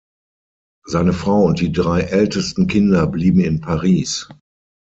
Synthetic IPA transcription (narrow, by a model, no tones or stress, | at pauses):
z̥aɪnəfʁ̥aʊʊnt̚d̥iːdʁaɪʔɛltəstn̩kʰɪndɐbliːbm̩ɪnpʰaʁiːs